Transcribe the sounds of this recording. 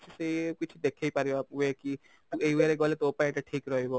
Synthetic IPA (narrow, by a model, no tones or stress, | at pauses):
t͡ʃʰisejkit͡ʃʰid̪ekʰejpaɾiaweki | t̪uejweɾeɡɔlet̪opaĩʈaʈʰikɾɔɦebo